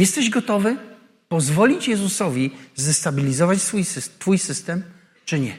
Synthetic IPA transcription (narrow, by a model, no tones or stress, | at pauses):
jɛst̪ɛʑɡɔt̪ɔvɘ | pɔzvɔlʲit͡ɕjɛzusɔvʲizɛst̪abʲilʲizɔvat͡ɕsfujst̪fujsɘst̪ɛm | t͡ʂɘɲɛ